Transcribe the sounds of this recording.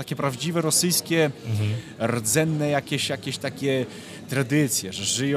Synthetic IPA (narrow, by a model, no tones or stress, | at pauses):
t̪akʲɛpɾavd͡ʑivɛɾɔsɘjskʲɛ | ɾɔd̪zɛnːɛjakʲeɕjakʲeɕt̪akʲɛ | t̪ɾad̪ɘt̪sʲjɛʐɛʐɘjɔ